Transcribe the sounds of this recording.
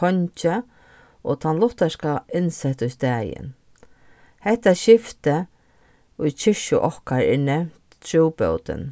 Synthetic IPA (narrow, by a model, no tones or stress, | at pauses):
ɔnt͡ʃə | ot̪ʰanlʊht̪askaʔɪnsɛht̪ʊjst̪ɛːjɪ̰n | hɛht̪ːaʃɪft̪ə | ʊjt͡ʃʰɪʃʊʔɔhkaɾɛ̰ːnɛmt̪t̪ʰːɾuːpœ̰wt̪ə̰n